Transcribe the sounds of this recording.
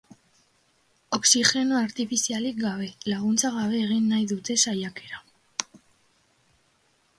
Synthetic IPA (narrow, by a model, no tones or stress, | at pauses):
o̞ksixe̞noaɾt̪ifisialikɡaβ̞e̞laɣ̞unt͡saɣaβ̞e̞ːɣ̞inːajðut̪e̞sajake̞ɾa